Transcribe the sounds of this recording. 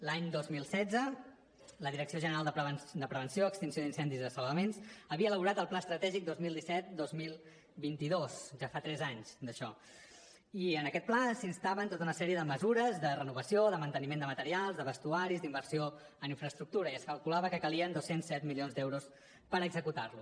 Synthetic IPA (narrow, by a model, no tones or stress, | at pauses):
laɲd̪ozmilˠsɛdd͡zə | ləðiɾəksioʒənəɾalˠd̪əpɾəβənd̪əpɾəβ̞ənsioəkst̪insioðinsɛnd̪izðəsəlˠβəmensəβiəːləβuɾat̪əlˠplaəst̪ɾət̪ɛʒik̚d̪ozmilˠd̪isɛt̪̚d̪ozmilˠ | bint̪iðosʒafat̪ɾɛzaɲzd̪əʃɔ | iənəkɛt̪̚plasinst̪aβənt̪ot̪əunəsɛɾiəðəməzuɾəzd̪ərənuβəsioðəmənt̪ənimend̪əmət̪əɾialˠzðəβəst̪uaɾizd̪imbəɾsio | əniɱfɾəst̪ɾuk̚t̪uɾəiəskəlˠkulaβəkəkəliənd̪osensɛt̪̚milionzd̪ɛwɾus | pəɾəɡzəkut̪arlu